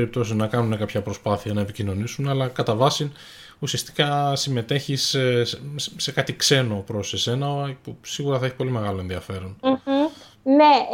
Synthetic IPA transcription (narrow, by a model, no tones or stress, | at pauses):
eɾip̚t̪o̞siznɐkɐnune̞kɐpçɐpɾo̞spɐθiɐnɐe̞picino̞nisunɐlɐkɐt̪ɐvɐsin | usiɐst̪i̥kɐsime̞t̪e̞çis | se̞kɐt̪ikse̞no̞pɾo̞se̞se̞nɐpusiɣuɾɐθɐeçi̥po̞lime̞ɣɐlo̞e̞nðiɐfe̞ɾo̞nm̩ | ne